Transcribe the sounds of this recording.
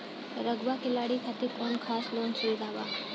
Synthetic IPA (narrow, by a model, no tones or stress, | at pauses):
ɾəɡʋakɪlaːɽikʰaːt̪ikɔːnkʰaːsloːnseid̪aːʋa̰ː